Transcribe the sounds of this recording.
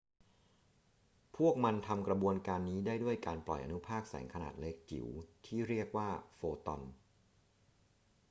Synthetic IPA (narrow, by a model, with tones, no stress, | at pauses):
pʰu˥˩ək̚ma˧nt̪ʰa˧mkɾa˧bu˧ənkaː˧nːiː˦˥daː˥˩jdu˥˩əjkaː˧nplɔ̰˨˩jʔa̰˧nu˦˥pʰaː˥˩k̚sɛ̰ː˩˦ŋkʰa˧na̰ː˨˩t̪̚le˦˥k̚t͡ɕḭ˩˦wt̪ʰiː˥˩ɾi˥˩ək̚waː˥˩foː˧t̪ɔ˧n